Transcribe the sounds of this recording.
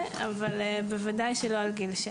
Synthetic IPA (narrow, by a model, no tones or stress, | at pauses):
avalbevad̪ajʃelo̞alɡilʃ